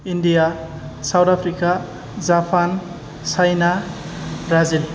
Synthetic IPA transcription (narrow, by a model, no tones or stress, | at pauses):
indija | sawdapʰɾika | d͡ʒapʰan | sajna | bɾazil